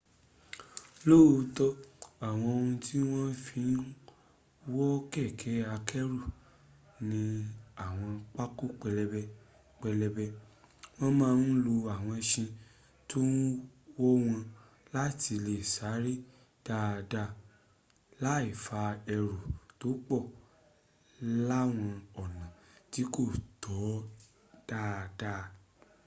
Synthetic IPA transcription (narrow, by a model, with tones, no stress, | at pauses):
loː˦˨˧tɔ˦a˨w̃ɔ̃˧o˧hũ˧ti˦w̃ɔ̃˦fi˧˦n˦ | wɔ˦kɛ˦˨kʰɛ˨˦a˧kʰɛ˦ɾu˦˨ | nĩ˧a˨w̃ɔ̃˧k͡pa˦ku˦k͡pɛ˧lɛ˧bɛ˧ | k͡pɛ˧lɛ˧bɛ˧w̃ɔ̃˦mãː˦n̩˦lo˧a˨w̃ɔ̃˧ʃĩ˧ | tu˦n̩˦wo˦w̃ɔ̃˧ | la˦ti˧le˦˨sa˨˦ɾi˦ | d̥a˦˨da˦˨ | la˦i˦˨fa˧ɛ˧ɾo˨to˨˦k͡pɔ˦˨ | la˦w̃ɔ̃˧ɔ˨nã˨ | ti˨˦ko˦˨tɔ˨˦ | d̥a˦˨da˦